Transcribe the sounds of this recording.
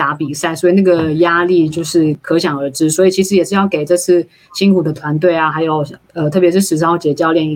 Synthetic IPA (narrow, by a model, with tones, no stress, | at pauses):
a˧˥pi˨˩sa˥˩ɪswɔ˧˥i˨˩na˥˩ɡə˩ja˥li˥˧t͡ɕjo˥˧ʊʂɻ̩˥˩kʰɤ˧˥ɕ̬jɑ˨˩ŋə˞˧˥ʈ͡ʂɻ̩˥swɔ˧˥i˨˩t͡ɕʰi˧˥ʂ̬ɻ̩˥jɛ˨˩ʂɻ̩˥˧jɑ˥˩ʊke˨˩ɪʈ͡ʂɤ˥˧t͡sʰɹ̩˥˩ | ɕi˥nkʰu˨˩d̪ə˦t̪ʰwa˧˥nt̪we˥˩ɪa˩xa˧˥ɪjo˨˩ʊ | ə˧t̪ʰɤ˥˩pjɛ˧˥ʂɻ̩˥˩ʂɻ̩˨˩˧t͡ɕjɛ˧˩t͡ɕjɑ˥˧ʊljɛ˥˧n˧